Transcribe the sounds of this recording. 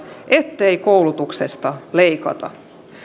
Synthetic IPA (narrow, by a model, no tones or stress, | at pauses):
ʔet̪ːeikoulut̪uksest̪ɑleikɑ̰t̪ɑ̰